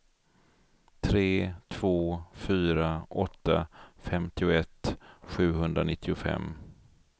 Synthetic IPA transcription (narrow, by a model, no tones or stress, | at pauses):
t̪ʰɾeːt̪ʰv̥oːfyːɾaʔɔt̪ːafɛmt̪ɪʊɛt̪ːɧʉ̟ːɦɵnd̪ɾanɪt̪ʰːɪʊfɛ̰mː